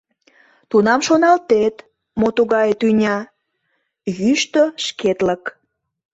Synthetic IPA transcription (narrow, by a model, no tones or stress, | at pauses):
t̪unɑmʃonɑlt̪et̪ | mot̪uɣɑjet̪ynʲɑ | jyʃt̪əʃket̪lək